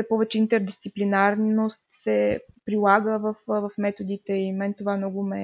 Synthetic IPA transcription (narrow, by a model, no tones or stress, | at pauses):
sɛpɔvɛt͡ʃɛint̪ɛɾd̪ist̪siplinaɾnnost̪sɛpɾilˠaɡəvəfvɐfmɛt̪od̪it̪ɛimɛnt̪ovamnɔɡʊmɛ